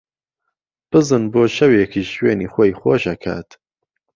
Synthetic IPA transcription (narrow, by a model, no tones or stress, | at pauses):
b̥ɨzɨnboːʃɐwekʰiːʃweːniːxoːjxoːʃɐkʰa̰ːt̪